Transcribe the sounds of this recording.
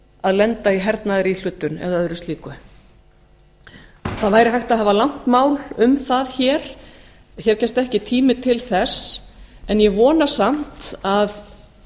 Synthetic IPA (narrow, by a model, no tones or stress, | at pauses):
aðlɛnt̪aiɦɛɾt̪naðɪɾil̥ʏːt̪ʏnɛ̰ðaðʏɾʏst̪liːkʏ | θaðvaːjɾɪɦajht̪aðɦɛvalaŋ̥t̪maːwlʏmθaðçɛːɾ̥ | çɛɾ̥cɛst̪ɛhcɪt̪ʰiːmɪt̪ʰɪlθɛsɛnjɛvɔːnasam̥t̪að